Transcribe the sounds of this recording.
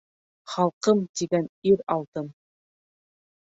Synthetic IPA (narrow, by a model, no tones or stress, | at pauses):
χɑlˠqɤmt̪iɡæniɾɑlˠt̪ɤm